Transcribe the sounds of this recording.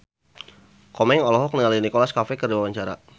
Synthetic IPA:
kɔmɛŋɔlɔɦɔk̚niŋalinikɔlaskafɛkərdiwawaɲt͡ʃaɾa̰

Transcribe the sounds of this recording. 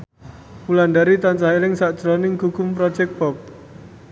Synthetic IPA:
pulandaɾit̪ant͡ʃaɦelɪŋsaʔd̥ʒ̥ɾɔnɪŋɡ̥uɡ̥ʊmpɾɔd̥d͡ʒɛk̚pɔp̚

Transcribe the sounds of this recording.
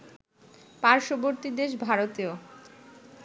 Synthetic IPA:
paɾʃoboɾt̪id̪eʃ̬bʱaɾot̪io

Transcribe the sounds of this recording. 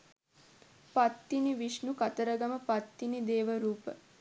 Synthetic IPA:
pat̪ːiniʋiʂnukɐt̪əɾəɡɐməpat̪ːinid̪eːʋəɾuːpə̰

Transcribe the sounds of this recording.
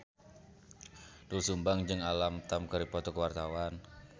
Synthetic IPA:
dulsumbaŋd͡ʒɨŋalamt̪amkəɾipɔt̪ɔkəwart̪awan

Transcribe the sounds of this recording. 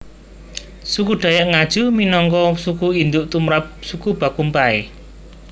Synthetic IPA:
sukuɖ̪̥a̤jaʔŋad̥ʒ̥ṳminɔŋkɔsukuind̪uʔt̪umɾap̚sukub̥a̤kumpaḛ

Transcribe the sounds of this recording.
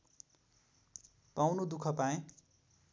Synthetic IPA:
pawnud̪ukʰʌpaẽ

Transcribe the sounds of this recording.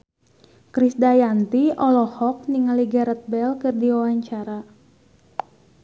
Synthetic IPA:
kɾisdajant̪iɔlɔhɔk̚niŋaliɡaɾət̪̚bɛlkɨrdiwawaɲt͡ʃaɾa

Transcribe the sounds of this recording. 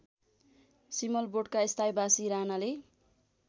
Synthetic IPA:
simʌlboɽkaist̪ʰajbasiɾanale

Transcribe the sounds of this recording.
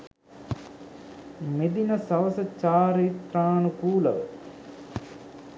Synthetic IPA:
med̪inəsɐʋəsət͡ʃaːɾiːt̪raːnukuːləʋə

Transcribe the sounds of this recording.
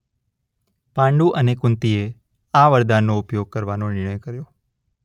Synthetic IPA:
pãɳɖũʔənekʊ̃nt̪ie | aʋəɾd̪anːoʊpjoɡ̚kəɾʋanonɪɳəjkəɾjo

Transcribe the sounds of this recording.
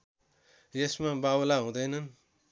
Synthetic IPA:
jesmãbawlaɦũd̪ʌjnʌn

